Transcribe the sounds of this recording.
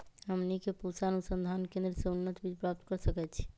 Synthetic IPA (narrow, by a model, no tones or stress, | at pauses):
ɦəmnikepusaənusənd̪ʱankẽnd̪ɾəsẽunːət̪bid͡ʒpɾap̚t̪kəɾsəkɛt̪̚t͡ʃʰi̥